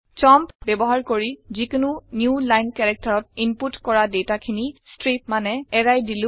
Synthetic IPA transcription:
t͡ʃɔmpbɛbɔɦaɹkoɹizikʊnʊnjulajnkɛɹɛk̚taɹɔt̚imputkɔɹadɛtakʰinistɹip̚manɛɛɹajdilʊ̃

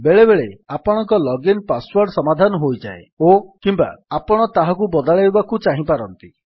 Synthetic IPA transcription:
beɭebeɭeapɔɽ̃ɔŋkɔlɔɡinpaswɔɾɖsɔmad̪ʱanɔɦojd͡ʒaeokimba̰apɔɽ̃ɔt̪aɦakubɔd̪aɭabakut͡ʃaɦĩpaɾɔnt̪i

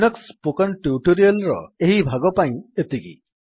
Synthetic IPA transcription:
nɔkspokɔnʈjuʈoɾialɾɔ̰eɦibʱaɡɔpaj̃et̪iɡḭ

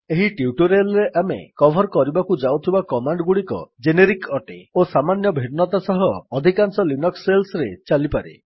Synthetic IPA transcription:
eɦiʈiuʈuɾialɔɾeʔamḛkɔbʱɔɾkɔɾibakud͡ʒawt̪ʰibakɔmaɳɖɡuɽikɔ̰d͡ʒeneɾikɔʈeosamanjɔbʱiɖnɔt̪asɔɦɔːd̪ʱikansɔlinɔkselsɾet͡ʃalipaɾḛ

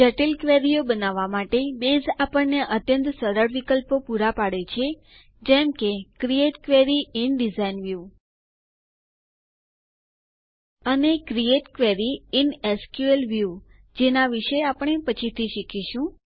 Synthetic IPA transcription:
d͡ʒəʈilkʋeɾijobənaʋamaʈebezapəɳːeʔət̪jənt̪səɾəɽʋikəlpopuɾapaɽet͡ʃʰe | d͡ʒɛmkekɾieʈkʋeɾiinɖizainʋju | ənekɾieʈkʋeɾiɪneskjuelʋju | d͡ʒenaʋiʃeapəɳ̃epət͡ʃʰit̪ʰiʃikʰiʃũ

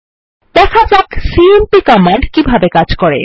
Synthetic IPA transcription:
d̪̥ɛkʰad͡ʑaksiempikɔmaɳɖkibʱabekad͡ʑkɔɾḛ

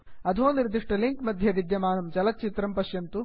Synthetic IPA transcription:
ɐd̪ʱoːniɾd̪iʂʈɐliŋkmɐd̪ʱjɐʋid̪jɐmaːnɐmt͡ʃɐlɐt̪̚t͡ʃit̪ɾɐmpɐʃjɐnt̪u

